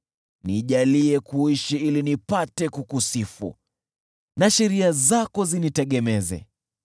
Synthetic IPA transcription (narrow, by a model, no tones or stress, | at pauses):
niʄaliɛkuiʃiilinipatɛkukusifṵ | naʃɛɾiazakɔzinitɛɠɛmɛzɛ̰